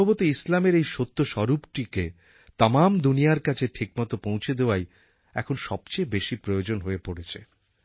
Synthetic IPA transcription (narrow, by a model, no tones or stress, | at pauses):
obot̪iislameɾejʃot̪ːoʃɔɾupʈike | t̪amamd̪unijaɾkat͡ɕʰeʈʰik̚mat̪opõw̃t͡ɕʰed̪eoaj | ɛ̰kʰonʃɔb̚t͡ɕejbeʃipɾojod͡ʑonɦoepoɽet͡ɕʰḛ